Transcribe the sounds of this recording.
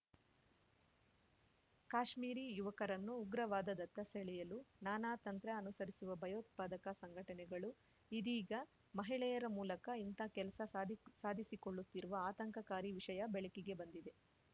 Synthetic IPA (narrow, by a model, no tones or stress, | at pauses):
kaːʂmiːɾiːjuʋɐkɐɾɐnːuːɡɾɐʋaːd̪ɐd̪ɐt̪ːɐseɭɛjɐlunaːnaːt̪ɐnt̪ɾɐɐnusɐɾisuʋɐbʱɐjoːt̪̚paːd̪ɐkɐsɐŋɡʱɐʈɐnɛɡɐɭu | id̪iːɡɐ | mɐɦiɭɛjɐɾɐmuːlɐkɐint̪akɛlɐsɐsaːd̪ʱisikoɭːut̪ːiɾuʋɐaːt̪ɐŋkɐkaːɾiʋiʂɐjɐbeɭikiɡe̞bɐnd̪id̪e̞